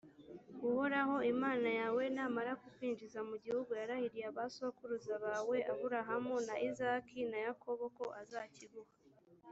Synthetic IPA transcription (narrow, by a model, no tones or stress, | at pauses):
ɡuhoɾaho̞imaːnajawe̞naːmaɾakufiːnd͡ʒizamuɟihuɡujaɾahiɾijaβasoakuɾuzaβaːwe̞ʔaβuɾaɦamonaʔizaːkʰinajakʰo̞βo̞ko̞ʔazaːciɡuha